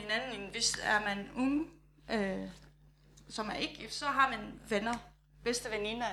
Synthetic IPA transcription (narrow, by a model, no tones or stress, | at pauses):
enænn̩inʋe̝sæɐmænɔŋ | ʔø | sɒ̽mæɐʔe̝ɡ̥ɡifd̥sɒ̽ɦɑ̈mænʋenɐ | b̥esd̥əʋeninɐ